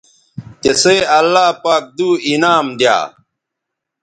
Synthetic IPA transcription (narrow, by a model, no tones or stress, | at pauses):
t̪eseɐlːaːpaːk̚d̪uːinaːmd̪ja̰ː